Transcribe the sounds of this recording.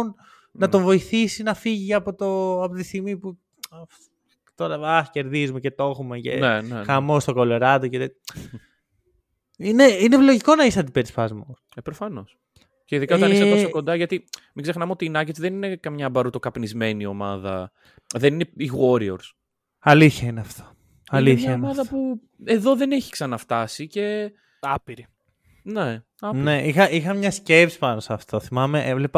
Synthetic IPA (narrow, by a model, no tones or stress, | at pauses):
n | nɐt̪o̞ɱvo̞iθisinɐfiʝiɐpot̪oɐpot̪ist̪iɣmipu | t̪oɾɐɐxce̞ɾðizumecet̪o̞xumecḛnenexɐmost̪oko̞loɾɐt̪ocet | ineinelo̞ʝiko̞nɐisɐt̪ipet̪ispɐzmo | epɾo̞fɐno̞s | ceiðikɐot̪ɐnisosokod̪ɐʝɐt̪imiɡze̞xnɐmeo̞t̪iːnɐcet̪sðe̞nine̞kɐmɲɐːbɐɾut̪okɐpnizme̞nio̞mɐðɐ | ðe̞nineiɣo̞ɾioɾs | ɐliθçɐineɐft̪ʰo̥ | ɐlieθmçɐoimɐðɐpu | e̞ðo̞ðe̞ne̞çi̥ksɐnɐft̪ɐsice̞ | ɐpiɾi | ne | ɐpneʔixɐʔixɐmɲɐsce̞psi̥pɐnosɐft̪o̞θimɐmeʔevlepɐ